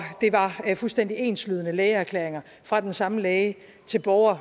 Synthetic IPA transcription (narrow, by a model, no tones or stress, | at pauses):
d̥e̝ʋɑ̈fulsd̥en̰d̥ie̝̰ːnslyð̞ˠənəleːɪəæɐkʰlḛːɐeŋɐ | fʁɑ̈d̥ensɑ̈məlɛːɪə | t͡sʰe̝lb̥ɒʊɐ